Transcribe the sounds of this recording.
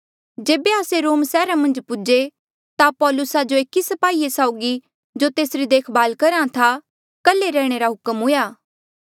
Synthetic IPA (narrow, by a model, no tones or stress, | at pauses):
d͡ʒeːbeaːseɾoːmsɛːɾamɐ̃nd͡ʒpʊd͡ʒe | t̪apɔːlʊsad͡ʒoekisɐpaːiesaːʊɡi | d͡ʒot̪eːsɾid̪eːkʰbaːlkɐɾãt̪ʰa | kɐleɾɛːɽ̃eɾaɦʊkəmɦʊjaː